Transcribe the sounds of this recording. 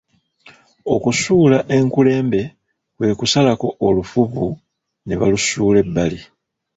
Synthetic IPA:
o̞kusuːlaʔe̞ŋkule̞ːmbe̞ | kwe̞ːkusalako̞olufuβu | neβa̰lusuːle̞bːali

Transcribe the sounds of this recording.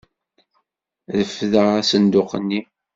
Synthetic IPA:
ðəfðəʁæsənd̪ʊqənːi

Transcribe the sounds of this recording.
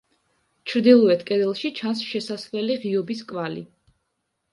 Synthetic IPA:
t͡ʃʰɾd̪ilˠɔɛt̪ʰkʼɛd̪ɛlˠʃit͡ʃʰansʃɛsasvɛliʁiɔbiskʼvalḭ

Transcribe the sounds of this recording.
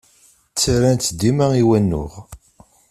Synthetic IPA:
t͡sːaɾænt̪d̪ːimæiwænːʊ̰ʁ

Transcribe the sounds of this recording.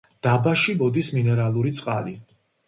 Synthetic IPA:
d̪̥abaʃibɔd̪isminɛɾalˠuɾit̪sʼqʼali

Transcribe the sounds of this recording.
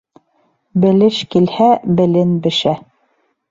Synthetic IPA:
bɘ̆lɘʃkilhæbɘ̆lɘnbɘ̆ʃæ

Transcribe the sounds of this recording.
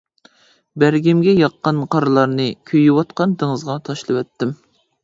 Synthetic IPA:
bæɾɡʲimɡʲɛjɑqːɑnqʰɑɾlˠɑɾnɨkʲʰøjwɑt̪qɑnd̪ɪŋɨzʁɑt̪ʰɑʃlˠɨwɛt̪ːɪm

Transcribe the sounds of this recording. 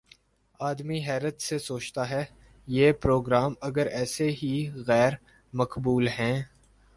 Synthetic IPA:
aːd̪miɦɛːɾət̪sesoːt͡ʃt̪aɦɛː | jeːpɾoːɡɾaːmɐɡəɾɛːseɦiɣɛːɾ | mɐkbuːlɦɛ̃ː

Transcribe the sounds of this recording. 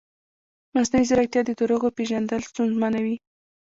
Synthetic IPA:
masnaizaɾak̚t̪jɑd̪əd̪əɾoɣopeʒand̪əlst̪unzmanawi

